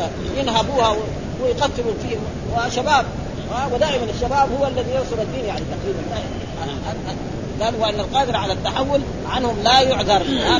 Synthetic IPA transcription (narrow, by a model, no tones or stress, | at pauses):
jɪnɦabuːhaw | jqat̪ːɪlufiːh | waʃabaːb̚ | hawɪd̪aːʔɪmanaʃːabaːbhuwːaalːaðijɪɾsˤʊlad̪ːiːnjaʕnit̪aqɾiːbanla | a | d̪aːlwʔanːalqɑːd̪ɪɾˤaʕalat̪ːaħawːʊl | ʕanhʊmlajʊʕd̪ɑɾˤa